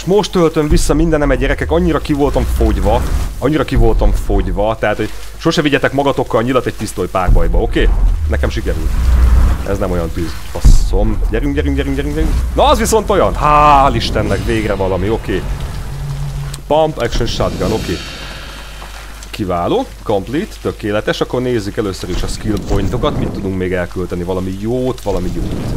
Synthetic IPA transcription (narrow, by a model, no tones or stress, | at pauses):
ʃmo̞ʃt̪ːølt̪ø̞ɱvisːɒmind̪ɛnɛmɛɟːɛɾɛkɛkɒɲːiɾɒkivo̞lt̪ɒɱfo̞ɟvɒɒɲːiɾɒkivo̞lt̪ɒɱfo̞ɟvɒt̪ɛɦaːt̪ho̞ɟ̥ | ʃo̞ʃɛviɟɛt̪ɛkmɒɡɒt̪o̞kːɒlɲilɒt̪ɛc̚t̪ist̪oːjpaːrbɒj̪bɒo̞keːnɛkɛmʃikɛɾy̰lt̪ʔɛ̰znɛmo̞jɒnt̪yːz | ɒsomɟɛɾyŋɡɟɛɾyŋɡɟɛɾyŋɡɟɛɾyɡɟɛɾyŋknɒɒzʋiso̞n̪t̪o̞jɒnhaːliʃt̪ɛnːɛkveːɡrɛvɒlɒmio̞keː | pɒmpɛkʃønʃad̪ɡano̞keː | kivaːloː | komplit̪ːøkeːlɛt̪ɛʃɒkːo̞rneːzːykɛløːsøɾiʃɒskilpo̞jnt̪o̞kɒt̪mit̪ːud̪uŋkmeːɡɛlkylt̪ɛnivɒlɒmijoːt̪ʋɒlɒmijoːt̪